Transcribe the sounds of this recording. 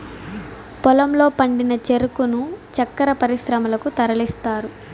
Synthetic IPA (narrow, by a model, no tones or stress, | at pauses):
pɔlɐmlo̞ːpɐɳɖinɐt͡ʃeɾukunut͡ʃɐkːɐɾɐpɐɾisɾɐmɐlɐkut̪ɐɾɐlist̪aːɾu